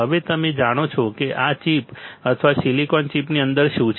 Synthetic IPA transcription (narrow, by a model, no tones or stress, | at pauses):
əʋet̪əmed͡ʒaɽ̃ot͡ʃʰɔkeʔat͡ʃipət̪ʰʋaʃilikɔnt͡ʃipniənd̪əɾʃũt͡ʃ